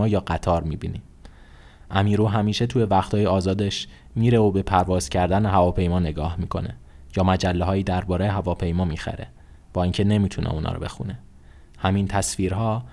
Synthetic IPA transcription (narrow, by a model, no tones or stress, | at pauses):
ɒːjɒːɢæt̪ʰɒːɾmiːbḭni | ʔæmiːɾuːɦæmiːʃe̞t̪ʰuje̞væxt̪ʰɒːjeɒːzɒːd̪eʃ | miːɾe̞obe̞pʰæɾvɒːz̥cʰæɾd̪æneɦævɒːpʰe̞jmɒːne̞ɡɒːhmiːkʰo̞̰ne | jɒːmæd͡ʒælːeɦɒːjiːd̪æɾbɒːɾejeɦævɒːpʰe̞jmɒːmiːxæ̰ɾḛ | b̥ɒːiːŋcʰe̞ne̞miːt̪ʰunʔḛunɒ̰ːɾobe̞̰xṵne | hæmint̪ʰæsfiːɾɦɒː